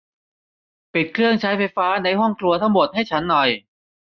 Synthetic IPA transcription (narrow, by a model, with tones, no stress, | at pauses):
pi˨˩t̪̚kʰɾɯ˥˩əŋt͡ɕʰa˦˥jfa˧jfaː˦˥na˧jɦɔ˥˩ŋkʰlu˧ɐt̪ʰa˥˩ŋmo˨˩t̪̚ha˥˩jt͡ɕʰa˦˥nːɔ˨˩j